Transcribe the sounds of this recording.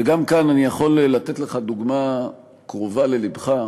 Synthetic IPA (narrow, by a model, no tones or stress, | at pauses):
veɡamkananijaχo̞llat̪et̪leχad̪uɡma | kʁovale̞libχa